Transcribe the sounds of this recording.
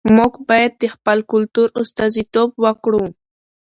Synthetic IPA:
mʊkbajt̪ːɪχpalkʊlt̪ʊɾʊst̪azɪt̪op̚wakɽuː

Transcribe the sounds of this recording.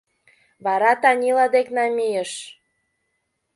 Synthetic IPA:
βɑɾɑt̪ɑnʲilɑd̪eknɑmijəʃ

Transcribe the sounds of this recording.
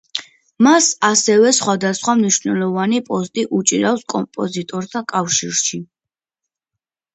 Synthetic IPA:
masasɛvɛsχwad̪asχwamniʃvnɛ̰lˠɔvanipʼɔst̪ʼiʔut͡ʃʼiɾafskʼɔmpʼɔzit̪ʼɔɾt̪ʰakʼafʃḭɾʃi

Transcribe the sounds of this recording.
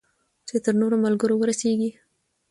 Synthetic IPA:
t͡ʃet̪əɾnoɾomalɡəɾowəɾaseɡi

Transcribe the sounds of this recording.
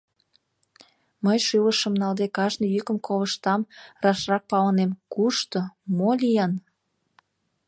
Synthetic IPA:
məjʃyləʃə̆mnɑld̪ekɑʒnə̆jykəmkʰoβəʃt̪ɑmrɑʃrɑk̚pɑlənemkuʃt̪omolʲijɑn

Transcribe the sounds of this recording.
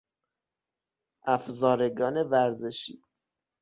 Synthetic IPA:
ʔæfzɒːɾeɡɒːne̞væɾzeʃiː

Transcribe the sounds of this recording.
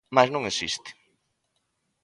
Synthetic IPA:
maznɐ̃ŋesḭst̪ɪ̥

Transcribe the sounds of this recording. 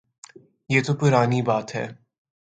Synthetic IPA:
jeːt̪opʊɾaːnibaːt̪ɦɛ̰ː

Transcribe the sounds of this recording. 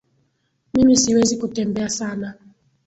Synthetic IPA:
mimisiwezikutɛmbɛasana

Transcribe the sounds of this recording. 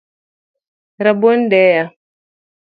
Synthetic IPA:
ɾabondɛja

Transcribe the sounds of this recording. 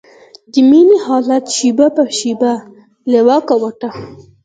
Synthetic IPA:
d̪iminihɑlat̪ʃibapaɾʃiba | lewɑkawaʈa

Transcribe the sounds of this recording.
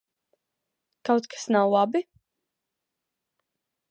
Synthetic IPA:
kawt̪kḁsnawlˠabi

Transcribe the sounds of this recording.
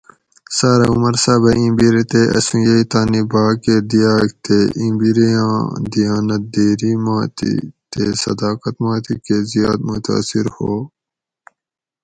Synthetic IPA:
saːɾaumɐɾsaːbɐĩmbiɾet̪eʔɐ̰sũjeit̪aːnibaːked̪ijaːk̚t̪eʔĩmbiɾiãːd̪ijaːnɐt̪̚d̪eːɾimaːt̪ḭt̪esɐ̰d̪aːqɐt̪maːt̪ikezijaːd̪̚mut̪a̰ːsiɾhoː

